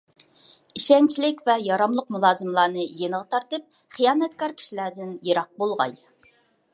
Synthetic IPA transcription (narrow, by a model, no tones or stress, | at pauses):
iʃɛnt͡ʃʰilɪkʲvɛjɑɾɑmlˠʊqmulˠɑːzɨmlˠɑːnɨjenəʁɑt̪ʰɑɾt̪ɨp̚ | χijɑːnɛt̪kɑɾkʲʰi̥ʃilæd̪ɪnjeɾɑq̚bolˠʁɑ̰j